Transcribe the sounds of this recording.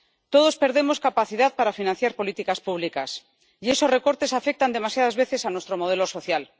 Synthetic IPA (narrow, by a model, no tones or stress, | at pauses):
t̪o̞ð̞o̞spe̞ɾðe̞mo̞skapaθiðaðpaɾafinãn̟θjaɾpo̞lit̪ikaspuβ̞likas | ie̞so̞zre̞ko̞ɾt̪e̞safe̞k̚t̪and̪e̞masjaðazβe̞θe̞sanwe̞st̪ɾo̞mo̞ð̞e̞lo̞so̞θjal